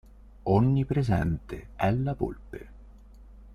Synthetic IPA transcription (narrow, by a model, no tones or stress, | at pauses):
ɔɲːipɾezɛ̰nt̪eɛlːapṵlpe